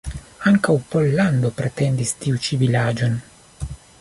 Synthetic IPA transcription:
aŋkawpolːand̪opɾet̪end̪ist̪iut͡ʃivilaːd͡ʒon

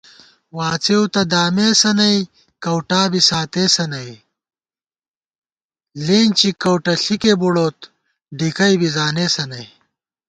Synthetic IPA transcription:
waːt͡sewt̪ɐd̪aːmeːsɐnɐji | kɐwʈaːbisaːt̪eːsɐnɐj | leːnt͡ɕikɐwʈɐɬikebuɽoːt̪ | ɖikɐjbizaːneːsɐnɐj

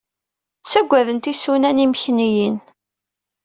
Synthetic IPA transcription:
t͡sːæɡʷːæðənt̪isunæniməçnijin

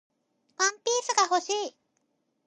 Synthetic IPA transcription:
ampisɨkaɦosi

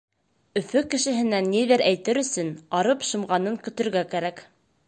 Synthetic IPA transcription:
ɵ̆fɵkɘ̆ʃɘ̆ɦɘ̆nænːiðɘɾʔæjt̪ɘɾɵ̆sɵnɑɾɤpʃɤ̆mʁɑnɤŋkɵ̆t̪ɵ̆ɾɡækæɾæk

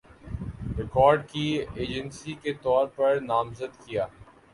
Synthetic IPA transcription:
ɾɪkɔːɾɖkieːd͡ʒə̃nsiket̪ɔːɾpɐɾnaːmzəd̪kijaː

